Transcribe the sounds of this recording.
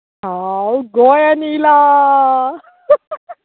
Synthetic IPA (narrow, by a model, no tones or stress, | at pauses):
ɦawɡojanila